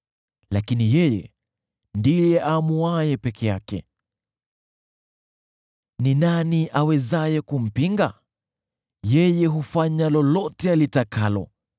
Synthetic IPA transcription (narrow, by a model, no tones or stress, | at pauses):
lakinijɛjɛ̰ | ndijɛʔamuajɛpɛkʰɛjakɛ̰ | ninaniʔawɛzajɛkum̩piŋɡa | jɛjɛɦufaɲalɔlɔtɛalitakalɔ̰